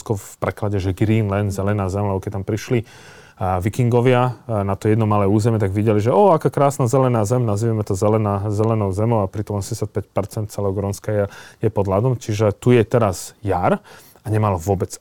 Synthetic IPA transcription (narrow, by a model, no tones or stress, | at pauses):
skɔfpɾɛklaɟɛʒɛɡɾiːnlɛnzɛlɛnaːzɛmlɛbɔkɛc̚t̪ampɾiʃli | ʋikiŋɡɔʋɪanat̪ɔjɛd̪nɔmalɛːuːzɛmɪɛt̪aɡʋiɟɛliʒɛɔakaːkɾaːsnazɛlɛnaːzɛmnaziːʋamɛt̪ɔzɛlɛnaːzɛlɛnɔʊzɛmɔʊapɾit̪ɔmɔsɛɲɟɛsat̪̚pɛc̚pɛɾt͡sɛnt̪t͡sɛlɛːɦɔɡɾɔnskajɛjɛpɔd̪lad̪ɔmt͡ʃiʒɛt̪ujɛt̪ɛɾaz̥jaɾ | aɲɛmalʋʊɔbɛt͡s